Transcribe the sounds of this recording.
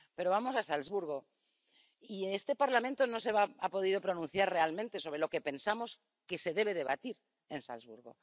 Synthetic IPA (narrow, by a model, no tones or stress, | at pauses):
pe̞ɾo̞βamo̞sasalzβuɾɣ̞o̞ | iest̪e̞paɾlament̪o̞nose̞βaapo̞ð̞ið̞o̞pɾo̞nũnθjaɾre̞almẽnt̪e̞so̞β̞ɾe̞lo̞ke̞pẽ̞nsamo̞s | kese̞ðe̞β̞e̞ð̞e̞βa̰t̪iɾ | e̞nsa̰lzβuɾɣo̞̰